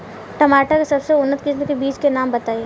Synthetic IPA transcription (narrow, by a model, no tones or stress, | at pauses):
ʈɐmaːʈəkesɐbseʊnːət̪kisnekebiːt͡ʃkenaːmbɐt̪aːe